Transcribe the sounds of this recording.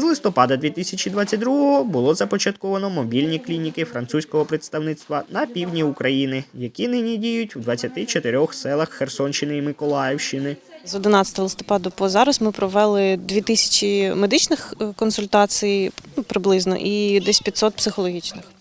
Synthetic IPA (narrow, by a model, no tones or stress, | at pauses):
zlˠɪst̪ɔpɑd̪ɐd̪ʲʋʲit̪ɪsʲɐt͡ʃid̪ʋɑt͡sʲːɐt̚ʲd̪ɾuɦɔɦɔbʊlˠɔzɐpɔt͡ʃɐt̪kɔʋɐnɔmɔbʲilʲnʲiklʲinʲikɪfɾɐnt̪susʲkɔɦɔpɾet̪st̪ɐwnɪt̪st̪ʋɐnɐpʲiwdʲnʲiukɾɐjinɪjɐkʲinɪnʲidʲijʊtʲwd̪ʋɐt͡sʲːɐt̪ɪt͡ʃɔt̪ɪɾʲɔxsɛlˠɐxːersɔnt͡ʃɪnɪimɪkɔlˠɑjɛwʃt͡ʃɪnɪzɔd̪ɪnɑtʲsʲɐt̪ɔɦɐlˠɪst̪ɔ̥pɑd̪ɐpɔzɑɾɐsmɪpɾɔʋɛlˠɪd̪ʋʲit̪ɪsʲɐ̥t͡ʃʲimed̪ɪt͡ʃnɪxkɔnsʊlʲt̪ɑt͡sʲijupɾɪblˠɪznɔ̰ʔid̪ɛsʲpʲit̪sɔt̪̚psɪxɔlˠɔɦʲit͡ʃnɪx